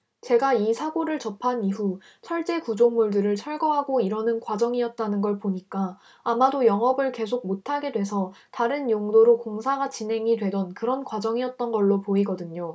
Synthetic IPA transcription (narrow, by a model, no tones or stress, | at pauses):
t͡ɕe̞ɡaisʰaɡoɾɯɭt͡ɕʌpʰaniɸu | sʰʌɭt͡ɕ͈e̞kud͡ʑoŋmuɭdɯɾɯɭt͡ɕʰʌɭɡʌɦaɡoiɾʌnɯnkwad͡ʑʌŋiʌt̚t͈anɯnɡʌɭpoɲik͈aː | madojʌŋʌbɯɭke̞s̬ʰoɡ̚motʰaɡe̞dwe̞sʰʌtaɾɯnjoŋdoɾokoŋsʰaɡat͡ɕinɦe̞ŋidwe̞dʌnkɯɾʌnkwad͡ʑʌŋiʌt̚t͈ʌnɡʌɭːopoiɡʌdɯɲo